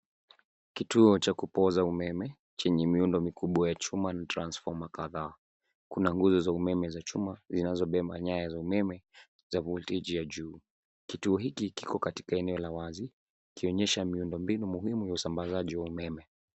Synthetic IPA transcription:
kituɔt͡ʃakupɔzaumɛmɛ | t͡ʃɛɲɛmiundɔmikuɓwajat͡ʃumanatɾansfɔmakaðaː | kunaŋɡuzɔzaumɛmɛzat͡ʃumazinazɔɓɛmaɲajazaumɛmɛ | zavultid͡ʒijaʄuː | kituɔɦikiki̥kɔkati̥kaɛnɛɔlawazi | kiɔɲɛʃamiundɔmbinumuhimujausambazaʄiwaumɛmɛ

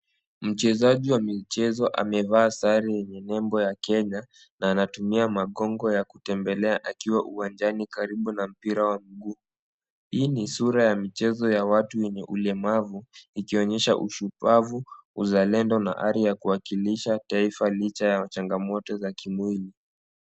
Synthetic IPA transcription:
m̩t͡ʃɛzaʄiwamit͡ʃɛzɔʔa̰mɛvaːsaɾijɛɲɛnɛmbɔjakɛɲa | naːnatumiamaɠɔŋɡɔjakutɛmbɛlɛaʔakiwaʔuwand͡ʒanikaɾiɓunam̩piɾawam̩ɡuː | hiːnisuɾajamit͡ʃɛzɔjawatujɛɲɛʔulɛmavuikiɔɲɛʃa̰ʔṵʃupavuuzalɛndɔna̰ʔa̰ɾijakuwakiliʃataifalit͡ʃajat͡ʃaŋɡamɔtɔzakimwili

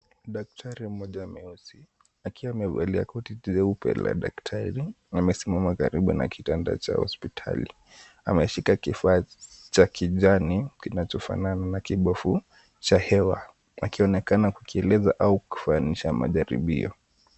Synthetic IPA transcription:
ɗak̚tʰaɾim̩mɔʄaːmɛɔsi | akiwaːmɛva̰lia̰kɔtitizɛupɛ̰la̰ɗa̰ktʰaɾi | amɛsimamakaɾiɓuna̰kʰitanda̰t͡ʃa̰hɔ̰spitʰa̰lḭ | amɛʃikakifaːt͡ʃakʰiʄanikinat͡ʃɔfa̰nananakiɓɔfu | t͡ʃahɛwa | akiɔnɛkanakukiɛlɛzaʔauku̥faːniʃama̰ʄaɾḭɓḭɔ

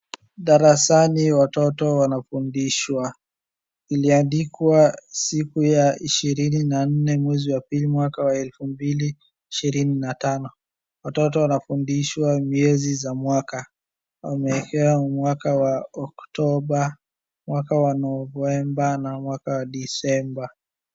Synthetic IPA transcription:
ɗaɾasaniwatɔtɔwanafundiʃwa | iliandikwasikujaiʃiɾininan̩nɛmwɛziwapilimwakawaɛlfumbiliː | ʃiɾininatanɔ | watɔt̬ɔwanafundiʃwamiɛzizamwaka | wa̰mɛːkɛwamwakawaɔktɔɓa | mwakawanɔvɛmbanamwakawaɗisɛmba

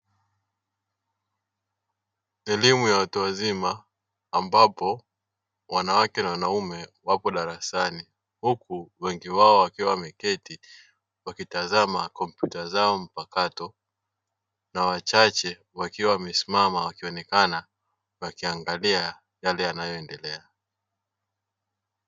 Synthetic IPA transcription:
ɛlimujawatuwazimaː | mbapɔ | wanawakɛnawanaumɛwapɔɗaɾasani | hukuwɛŋɡiwaɔwakiwamɛkɛti | wakitazamakɔmpjutazaɔm̩pakatɔ | nawat͡ʃat͡ʃɛ | wakiwamɛsimamawakiɔnɛkana | wakiaŋɡalia | jalɛjanajɔɛndɛlɛa

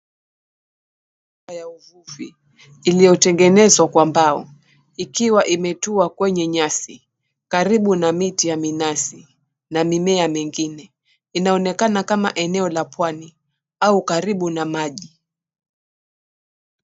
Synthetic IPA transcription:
ubajauvuviː | lijɔtɛŋɡɛnɛzwakwambaɔ | ikiwaʔimɛtuakwɛɲɛɲasi | kaɾiɓunamitijaminasi | namimɛamɛŋɡinɛ | inaɔnɛkanakama̰ʔɛnɛɔlapwani | aukaɾiɓunamaʄi

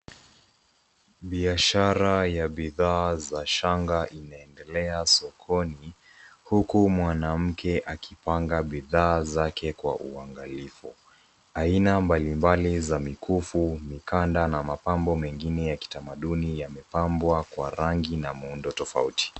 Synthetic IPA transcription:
ɓiaʃaɾajaɓiðaːzaʃaŋɡaʔinaɛndɛlɛasɔkʰɔni | hukumwanam̩kʰɛʔakipaŋɡaɓiðaːzakʰɛkwa̰ʔuaŋɡalifu | ainambalimbalizamikʰufumikandanamapambɔmɛŋɡinɛjaki̥tamaɗunijamɛpambwakwa̰ɾaŋɡinamuundɔtɔfa̰uti̥

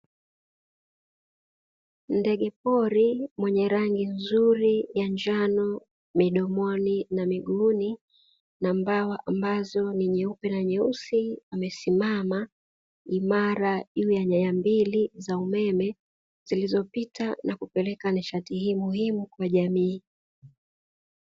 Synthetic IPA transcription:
ndɛɠɛp̚ɔɾimwɛɲɛɾaŋɡinzuɾijaɲd͡ʒanɔ | miɗɔmɔninamiɠuni | nambawaʔambazɔniɲɛupɛnaɲɛusiwamɛsimama | imaɾaʄuːjaɲajambilizaumɛmɛ | zz̥ilizɔpitʰanakupɛlɛkaniʃatihiːmuhimukwaʄamiː

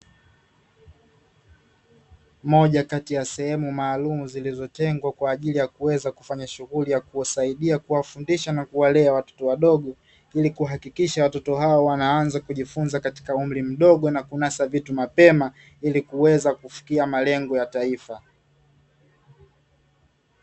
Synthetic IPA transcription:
mɔʄakatijasɛhɛmumaːlumuzilizɔtɛŋɡwakwaːʄilijakuwɛzaku̥faɲaʃuɣulijakuasaiɗiakuwafundiʃanakuwalɛawatɔ̥tɔwaɗɔɠɔ | ilikuaɦakikiʃawatɔtɔɦaɔwanaanzakuʄifunzakati̥kaum̩ɾim̩ɗɔɠɔnakunasavitumapɛma | ilikuwɛzakufi̥kiamalɛŋɡɔjataifa

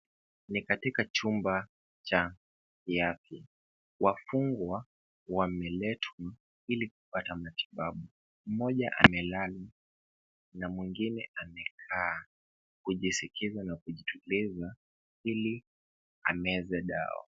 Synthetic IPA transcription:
nikatikat͡ʃumba | t͡ʃa | kiaθi | wafuŋɡwa | wamɛlɛtʰwa | ilik̚upatamati̥ɓaɓu | m̩mɔʄaʔa̰mɛlala | namwiŋɡinɛamɛkʰaː | kuʄisikʰizanakuʄitʰuliza | ili | a̰mɛzɛɗa̰ɔ̰

